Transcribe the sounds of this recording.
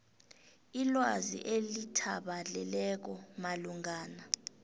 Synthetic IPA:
ilwazḭʔelitʰaɓaɮɛlɛk̬ɔmaluŋaːna

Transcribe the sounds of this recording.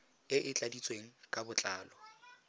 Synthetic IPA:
ɪʔɪt͡ɬʼadit͡sʼweŋ̩kʼabʊt͡ɬʼaːlɔ

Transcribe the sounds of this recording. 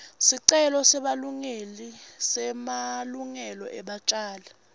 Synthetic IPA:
siǀɛlɔsɛɓaluŋelisɛmaluŋɛlɔ̰ʔɛɓat͡ʃʼaːlɛ

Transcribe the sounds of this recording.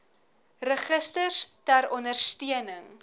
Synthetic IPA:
rəχəstərstæɾɔndərstyənəŋ

